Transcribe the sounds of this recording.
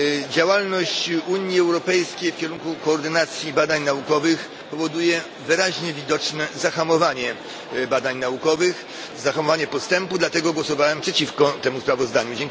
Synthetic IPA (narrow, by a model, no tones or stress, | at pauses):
d͡ʑawalnɔɕt͡ɕuɲjiɛwɾɔpɛjskʲejfkʲɛɾuŋkukɔːɾd̪ɘnat̪sʲjibad̪aɲnaukɔvɘx | pɔvɔd̪ujɛ | vɘɾaʑɲɛvʲid̪ɔt͡ʂnɛzaxamɔvaɲɛ | bad̪aɲnaukɔvɘx | zaxamɔvaɲɛpɔst̪ɛmpud̪lat̪ɛɡɔɡwɔsɔvawɛmpʂɛt͡ɕifkɔt̪ɛmuspɾavɔzd̪aɲud͡ʑɛŋ